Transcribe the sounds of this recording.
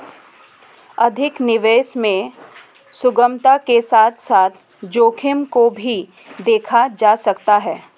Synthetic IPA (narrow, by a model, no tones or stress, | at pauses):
ɐd̪ʱɪknɪʋeːʃmẽ | sʊɡəmt̪akesaːt̪ʰsaːt̪ʰ | d͡ʒoːkʰɪmkobʱi | d̪eːkʰad͡ʒaːsɐkt̪aɦɛː